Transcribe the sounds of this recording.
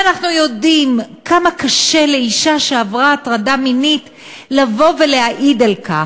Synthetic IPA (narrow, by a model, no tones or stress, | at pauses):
anaχnujo̞dimkʰamakaʃe̞le̞iʃaʃeavʁaːtʁadaminit | lavo̞veleaʔidalka̰